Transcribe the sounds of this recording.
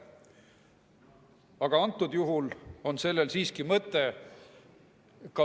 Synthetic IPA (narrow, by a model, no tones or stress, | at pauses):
ɑɡ̥ɑɑnt̪ˑːud̪̥juɦulo̞nse̞lːe̞lsiːskimɤt̪ːˑe̞ | kɑ